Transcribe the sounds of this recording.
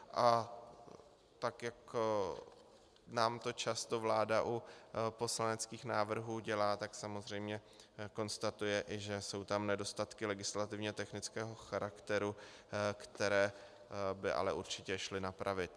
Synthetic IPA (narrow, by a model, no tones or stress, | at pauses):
ʔa | t̪akjak | naːmt̪o̞t͡ʃast̪o̞vlaːdaʔupo̞slanɛt͡skiːxnaːvr̩ɦuːɟɛlaːt̪aksamo̞zr̝ɛjmɲɛ | ko̞nst̪at̪ujɛʔɪʒɛso̞wt̪amnɛdo̞st̪at̪kɪlɛɡɪslat̪ɪvɲɛt̪ɛxnɪt͡skɛːɦo̞xaɾakt̪ɛɾu | kt̪ɛɾɛː | bɪʔa̰lɛʔuɾt͡ʃɪcɛʃlɪnapɾʔavɪt̪